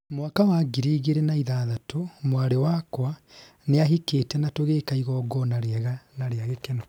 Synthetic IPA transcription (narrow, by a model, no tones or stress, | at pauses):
mwakawaɡiɾiɣeɾenaiðaːðatʰomwaɾewakwa | neaɦikeːtɛnatoɣeːkaiɣɔːɡɔnaɾeaɣanaɾeaɣekɛnɔ